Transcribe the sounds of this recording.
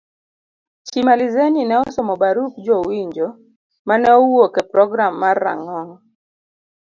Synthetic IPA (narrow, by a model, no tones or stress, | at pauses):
t͡ʃimalizeninɛɔsɔmɔbaɾuk̚d͡ʒowiɲd͡ʒo | manɛɔwokɛpɾɔɡɾamːarːa̰ŋɔŋ